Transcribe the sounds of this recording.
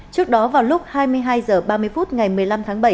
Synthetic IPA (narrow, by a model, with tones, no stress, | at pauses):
t͡ɕɨ˦˥ək̚ɗɔ˨˦vaː˨˩wlʊ˦˥k͡p̚haː˧jmɨ˧əjɦaː˧jzəː˨˩ɓaː˧mɨ˧əjfu˦˥t̚ŋa˨˩jmɨ˨˩əjla˧mt̪ʰaː˨˦ŋɓə˧˩j